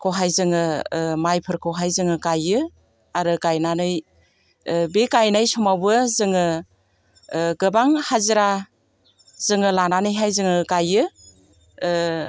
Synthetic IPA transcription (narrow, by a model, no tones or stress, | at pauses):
kʰɔɦajzɯŋɯmajpʰɯɾkʰɔɦajzɯŋɯkajɯ | aɾɯkajnanɯj | bekajnajsɔmawbɯzɯŋɯ | ɡɯbaŋhaziɾa | z̥ɯŋɯlananɯjɦajzɯŋɯkajɯ